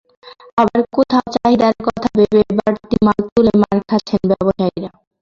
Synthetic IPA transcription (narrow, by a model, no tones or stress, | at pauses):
abaɾkot̪ʰaot͡ɕaɦid̪aɾkɔt̪ʰabebebaɾt̪imalt̪ulemaɾkʰat͡ɕʰenbɛboʃaiɾa